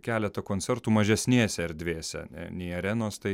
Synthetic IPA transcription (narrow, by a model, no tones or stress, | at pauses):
kʲæːlʲɛt̪ɐkoːnʲt͡s̪ʲɛɾt̪uːmɐʒʲɛsʲnʲeːsʲɛɛɾʲd̪ʲʋʲeːsʲɛ̰nʲɛ̰nʲɛɪɐɾʲɛnoːst̪ɐɪ